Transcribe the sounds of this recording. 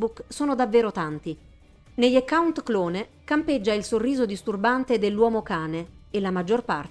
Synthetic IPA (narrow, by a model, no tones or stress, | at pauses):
buksoːnod̪avːeːɾot̪ant̪i | neʎakːawnt̪klɔːne | kamped͡ʒːailsorːiːzod̪ist̪urbant̪ed̪elːwɔːmokaːneelamad͡ʒːorpar